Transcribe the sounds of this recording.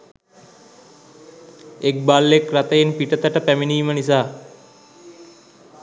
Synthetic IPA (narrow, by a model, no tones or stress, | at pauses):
ek̚balːekrat̪əjenpiʈət̪əʈəpæminiːmənis̬aː